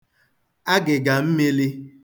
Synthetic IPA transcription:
a˦ɡɪ˨ɡa˨m̩˦me˦li˦

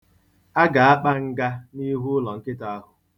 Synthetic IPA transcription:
a˦ɡa˨a˦k͡pa˦ŋ̩˦ɡa˦ni˦ɦu˦ʊ˦lɔ˨ŋ̩˦kɪ˦ta˨a˦ɦʊ˨

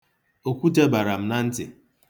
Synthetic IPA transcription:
o˨kʷu˦te˦ba˨ɾa˨m̩˦na˦n̩˦tɪ̰˨

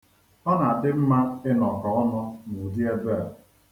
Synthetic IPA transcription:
ɔ˦na˨dɪ˦m̩˦ma˦ɪ˦nɔ˨kɔ˨ɔ˦nʊ˦nu˨di˦e˦be˦˨

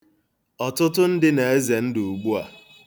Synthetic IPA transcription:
ɔ˨tʊ˦tʊ˦n̩˦dɪ˦ne˨e˦ze˨n̩˦du˨u˨ɡ͡bu˦a̰˨

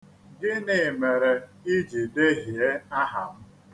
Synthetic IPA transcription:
ɡɪ˦nɪ˨me˨ɾe˨i˦d͡ʒi˨de˦ɦi˨e˦a˦ɦa̰˨m̩˦

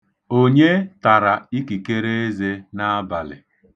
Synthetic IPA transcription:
o˦ɲe˦ta˨ɾa˨i˦ki˨ke˦ɾe˦e˦ze˦na˦a˦ba˨lɪ̰˨

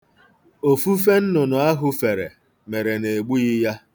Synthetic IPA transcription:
o˨fu˦f̬e˦n̩˦nʊ˨nʊ˨a˦ɦʊ˦fe˨ɾe˨ | me˨ɾe˨ne˨ɡ͡bu˦i˦ja˦

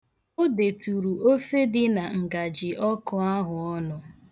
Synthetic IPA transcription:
ʊ˦de˨tu˨ɾu˨o˦fe˦dɪ˦na˨ŋ̩˨ɡa˨d͡ʒɪ˨ʔɔ˦kɔ˦a˦ɦʊ˨ɔ˦nʊ˨

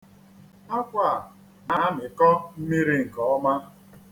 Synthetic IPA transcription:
a˦kʷa˦˨ | na˦nɪ˨kɔ˦m̩˦mi˦ɾi˦ŋ̩˨kɔ˨ɔ˦ma˦

